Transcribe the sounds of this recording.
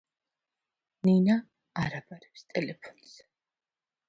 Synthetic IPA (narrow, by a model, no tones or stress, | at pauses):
ninaː | ɾabaɾɛpst̪ʼɛlɛpʰɔ̥nz̥